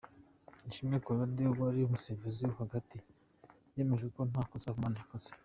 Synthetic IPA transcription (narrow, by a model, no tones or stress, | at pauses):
iʃimekoɾaɾdeβoaɾiumuseɾvizijuhaɡati | jeːme̞ʒekon̥hakot͡sakumanaakot͡se̥